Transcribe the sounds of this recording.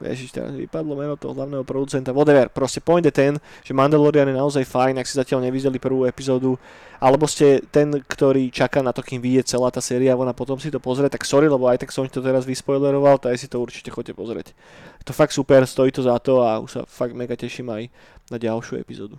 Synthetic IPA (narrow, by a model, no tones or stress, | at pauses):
ʋɛ̰ʒiʃt̪ɛ̰ɾa̰zʋḭpad̪lˠɔmɛnɔt̪ɔ̰ɦɔɦlaʊnɛːɦɔpɾɔd̪ut͡sɛnt̪aʋɔd̪ɛʋɛɾpɾɔscɛpɔjɲdɛt̪ɛnʒ̥ɛmand̪ɛlɔɾianjɛnaɔzajfajnaksizacɪalɲɛʋizɛlipr̩ʋuːɛpizɔːd̪u | ʔalɛbɔscɛt̪ɛnkt̪ɔɾiːt͡ʃakaːnat̪ɔkiːmʋiɟɪɛt͡sɛlaːt̪aːsɛːɾiaaʋɔnapɔt̪ɔmsit̪ɔpɔzɾɛt̪aksɔɾilɛbɔajt̪aksɔncɛt̪ɔt̪ɛɾazʋispɔjlɛɾɔʋalt̪ɔajsit̪ɔuɾt͡ʃi̥cɛxɔcːɛpɔzɾɛ̰c | ɛt̪ɔfakt̪supɛɾst̪ɔit̪ɔzat̪ɔaṵʃsa̰faɡ̪̚mɛkacɛʃiːmaj | naɟalʃjṵɛ̰pizɔ̰ːd̪u